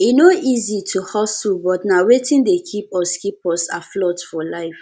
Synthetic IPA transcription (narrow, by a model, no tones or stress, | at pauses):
inoʔizitʰuhɔsulbɔtnawetʰĩndekʰipɔskipɔsaflɔtfɔlaɪf